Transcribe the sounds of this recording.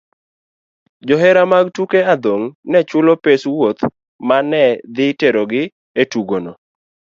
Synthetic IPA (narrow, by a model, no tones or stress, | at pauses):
d͡ʒɔɦɛɾamaɡtukead̪oŋnɛt͡ʃʊlɔpeswot̪ | manɛd̪ɪteɾoɡɪ | etuɡono